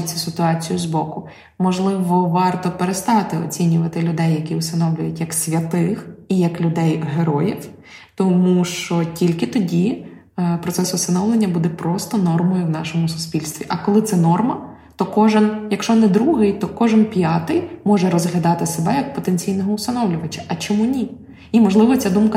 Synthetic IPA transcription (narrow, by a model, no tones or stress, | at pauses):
t͡sʲːɐsɪt̪ʊɑt͡sʲijʊzbɔkʊ | mɔʒlˠɪʋɔʋɑrt̪ɔpeɾest̪ɑt̪ɪɔ̰t͡sʲinʲʊʋɐt̪ɪlʲʊd̪ɛjːɐkʲiʊst̪ɐnɔwlʲʊjʊtʲjɐksʲʋʲɐt̪ɪxijɐklʲʊd̪ɛjɦeɾɔjiw | t̪ɔmuʃt͡ʃɔtʲilʲkɪt̪ɔdʲi | pɾɔt̪sɛsʊst̪ɐnɔwlˠenʲːɐbud̪ɛpɾɔst̪ɔnɔrmɔjʊwnɑʃɔmʊsʊ̥spʲilʲst̪ʋʲiʔɐkɔlˠɪt̪sɛnɔrmɐ | t̪ɔkɔʒɪnjɐkʃt͡ʃɔnɛd̪ɾuɦɪjt̪ɔkɔʒɪnpʲjɑt̪ɪjmɔʒɛɾɔzɦlʲɐd̪ɑt̪ɪsebɛjɐk̚pɔt̪ent͡sʲijnɔɦɔʊst̪ɐnɔwlʲʊʋɐt͡ʃɐ̥ʔɐt͡ʃɔmunʲi | imɔʒlˠɪʋɔt͡sʲad̪umkɐ